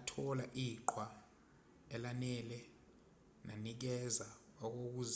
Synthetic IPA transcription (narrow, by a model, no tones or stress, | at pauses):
tʰɔlaʔiǃʰwa | ɛlanɛlɛ | nanik̬ɛza | ɔk̬ok̬uːz